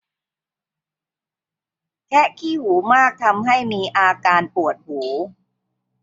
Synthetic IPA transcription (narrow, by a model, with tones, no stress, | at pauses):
kʰɛ˦˥kʰiː˥˩huː˩˦maː˥˩k̚t̪ʰa˧mɦa˥˩jmiː˧ʔaː˧kaː˧npu˨˩ət̪̚huː˩˦